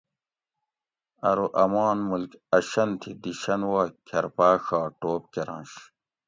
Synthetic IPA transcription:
ɐɾoʔɐmaːnmulkɐɕɐnt̪ʰid̪iɕɐnwaːkʰɐɾpaːxaːʈoːp̚keɾã̰ːnɕ

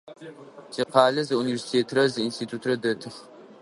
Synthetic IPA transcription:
tʰiːqɑːlɐzɨunivʲersi̥tʰeːtʰrɐzɨinstʰiːtʰuːtʰrɐdɐtʰɨχ

